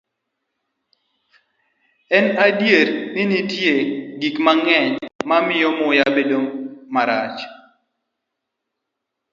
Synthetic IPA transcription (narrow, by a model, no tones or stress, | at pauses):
ɛnadjeɾnɪnitjeɡikmaŋɛɲmamɪjɔmʊjabedomːaɾa̰t͡ʃ